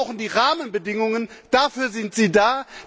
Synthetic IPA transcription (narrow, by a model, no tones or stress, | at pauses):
ʊxn̩diːʁaːmənbədɪŋʊŋənd̥afyːɐzɪntz̥iːdaː